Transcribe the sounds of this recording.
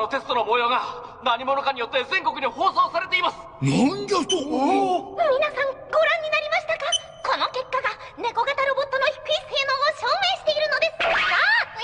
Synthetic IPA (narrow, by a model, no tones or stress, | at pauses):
not̪e̞sɨ̥t̪o̞no̞mojoːɡa | naɲ̟imo̞nokaɲ̟ijo̞t̪ːe̞zẽ̞ŋko̞kɯ̟ɲʲiho̞ːso̞ːsaɾe̞t̪e̞imasɨ̥nand̪et̪o | mʲinasãŋ | ɡo̞ɾãɲ̟ːinaɾʲimaɕi̥t̪aka | ko̞no̞ke̞kːaɡa | ne̞ko̞ɡat̪aɾo̞bo̞t̪ːono̞çi̥kɯ̟iseno̞ːɕo̞ːme̞ːɕi̥t̪e̞iɾɯ̟no̞d̪e̞sɨ̥a